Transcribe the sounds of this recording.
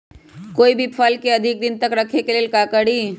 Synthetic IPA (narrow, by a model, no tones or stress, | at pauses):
koːibʱipʰalkeəd̪ʱɪk̚d̪ɪnt̪əkɾəkʰekeleːlkakəɽi